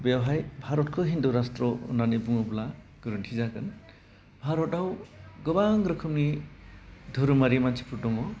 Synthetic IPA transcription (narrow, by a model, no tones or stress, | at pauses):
bewɦajbʱaɾotkʰoɦind̪uɾast̪ro̰nanebuobla | ɡ̥ɯɾunʈʰizakən | bʱaɾoʈawɡʌbaŋɡɾʌkʰumni | d̪ʱoɾumaɾimant͡sʰi̥pʰuʈomo